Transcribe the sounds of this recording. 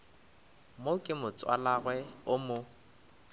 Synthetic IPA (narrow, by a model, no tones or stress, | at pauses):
mokʼɪmʊt͡sʼwa̰laɣwɛʊmʊ